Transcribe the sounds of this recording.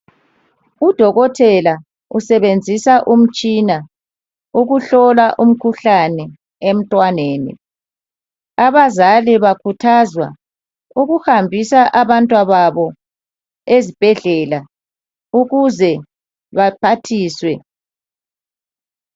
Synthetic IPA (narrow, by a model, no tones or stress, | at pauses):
ud̥ʱɔɣɔtʰɛla | usɛβend͡zʱisaʔum̩t͡ʃʼina | uɣuɬɔlaʔum̩kʰuɬanɛ | em̩tʼwaneːnḭ | aβazaliβakʰutʰazwa̰ | uɣuhambʱisaʔaβantʼwaβaβɔ | ezib̥ʱɛɮɛla | uɣuzɛ | βapʰatʰiːswɛ